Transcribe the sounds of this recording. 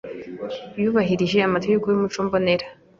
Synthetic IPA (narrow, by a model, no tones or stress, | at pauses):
juβaɦiɾiʒe̞amatojukujumut͡ʃuːmbone̞ɾa